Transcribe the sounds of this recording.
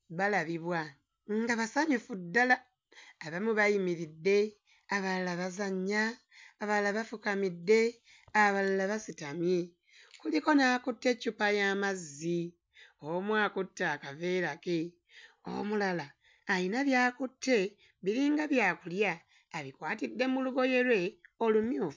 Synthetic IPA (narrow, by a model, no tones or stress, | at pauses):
βalaβiβwa | ŋɡaβasaɲufudːalaː | βamuβajimiɾidːe̞ | aβalalaβazaɲːaː | βaalaβafukamidːe̞ | aβalalaβasitamje̞ | kuliko̞naːkutːe̞cupajamazːi | omwaːkutːakave̞ɾake | o̰mulalaː | jinaβjaːkutːe̞ | βiɾiːŋɡaβjaːkuljaː | βikwaːtidːe̞muluɡo̞je̞lwe̞o̞lumjuːfu